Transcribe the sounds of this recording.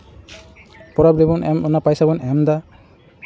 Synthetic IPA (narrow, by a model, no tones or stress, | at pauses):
pɔɾabɾibunɛmunapajsabɔnɛmd̪a